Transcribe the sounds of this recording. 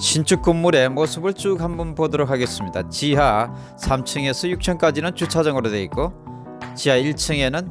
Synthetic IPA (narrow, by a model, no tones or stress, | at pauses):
ɕʰint͡ɕʰuk̚k͈umːuɾe̞mosʰɯbɯɭt͡ɕ͈ukʰambunpodʌɾokʰaɡe̞s͈ɯmɲida̰t͡ɕiɦa | sʰamt͡ɕʰɯŋe̞sʰʌjuk̚t͡ɕʰʌnk͈ad͡ʑinɯnt͡ɕut͡ɕʰad͡ʑʌŋɯɾodwe̞ik̚k͈o | t͡ɕiɦaiɭt͡ɕʰɯŋe̞nɯn